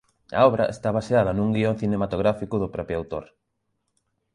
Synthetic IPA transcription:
ɐ̰ɔβɾɐʔḛst̪aβaseað̞ɐnuŋɡioŋθinemat̪oɣɾafikʊðʊpɾɔpɾjawt̪o̰ɾ

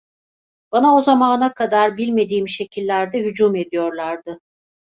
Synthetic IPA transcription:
b̥anao̞zamaːnakʰad̪aɾbilʲme̞d̪iːmʃe̞cʰilʲːæɾd̪ɛɦyd͡ʒume̞d̪ijo̞ɾlˠaɾd̪ɯ

